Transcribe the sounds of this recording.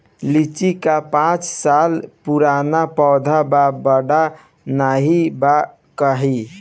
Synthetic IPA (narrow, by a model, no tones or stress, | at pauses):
lit͡ʃikapãt͡ʃsalpuɾanapɔd̪ʱababəɖa | naɦiba | kəɦi